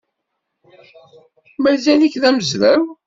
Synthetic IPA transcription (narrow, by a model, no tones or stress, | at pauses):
mæɾzæliçðæməzɾæw